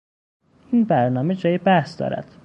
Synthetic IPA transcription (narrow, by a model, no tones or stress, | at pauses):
inbæɾnɒːmed͡ʒɒːjebæhsd̪ɒ̰ːɾæ̰d̪̥